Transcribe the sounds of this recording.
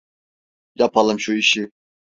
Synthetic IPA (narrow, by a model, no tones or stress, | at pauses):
japʰalˠɯmʃuiʃi